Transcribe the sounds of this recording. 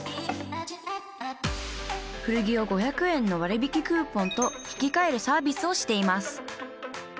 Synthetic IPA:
ɸɯ̟ɾɯ̟ɡʲio̞ɡo̞çakɯ̟ẽ̞nːo̞βaɾɯ̟bʲikʲikɯːpõ̞nt̪o̞çi̥kʲikae̞ɾɯ̟saːbʲisɨo̞ɕi̥t̪e̞imasɨ̥

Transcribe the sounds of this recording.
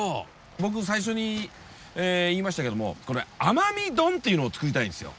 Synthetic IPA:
oː | bo̞k̬ɯ̟s̬aiɕ̬o̞ɲ̟i | eːiːmasɕi̥t̪ake̞d̪omo̞̰ko̞ɾe̞amamʲid̪õ̞nt̪ːe̞iɯno̞ːt͡sɨ̥kɯɾʲit̪aĩnd̪e̞sɨjo̞̰

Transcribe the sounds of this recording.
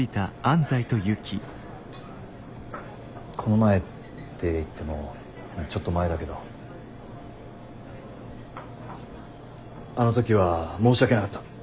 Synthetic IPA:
it̪aãnzait̪o̞jɯ̟kʲʰi | kʰo̞no̞mae̞ | t̪ːe̞it̪ːe̞mo̞ | t͡ɕot̪ːo̞mae̞d̪ake̞d̪o̞ | ano̞t̪o̞kʲiβamo̞ːɕiake̞nakat̪ːḁ

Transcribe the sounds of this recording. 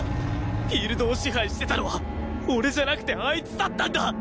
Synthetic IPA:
ɸʲiːɾɯ̟d̪o̞ːɕiɦaiɕi̥t̪e̞t̪ano̞βa | oɾe̞d͡ʑanakɯ̟t̪e̞ait͡sɨ̥t̪at̪ːãnd̪a

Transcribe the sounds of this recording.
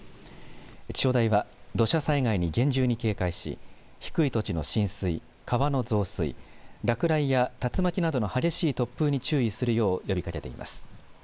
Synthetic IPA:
t͡ɕɕo̞ːd̪aiβad̪o̞ɕasaiɡaiɲ̟iɡẽ̞ɲ̟d͡ʑɨːɲ̟ike̞ːkaiɕḭ | çi̥kɯ̟it̪o̞t͡ɕino̞̰ɕĩɰ̃sɨi | kaβano̞zo̞ːsɨḭɾakɯ̟ɾaijat̪at͡sɨmakʲinad̪o̞no̞haɡʲe̞ɕiːt̪o̞pːɯ̟ːɲ̟it͡ɕɨːisɨɾɯ̟jo̞ːjo̞bʲikake̞t̪e̞̰ḭma̰sɨ̥

